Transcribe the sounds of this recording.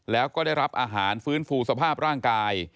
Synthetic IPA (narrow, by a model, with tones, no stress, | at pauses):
lɛː˦˥wkɔː˥˩daː˥˩jɾa˦˥p̚ʔaː˧ɦaː˩˦nfɯː˦˥nfuː˧sa˧pʰaː˥˩p̚ɾaː˥˩ŋkaː˧j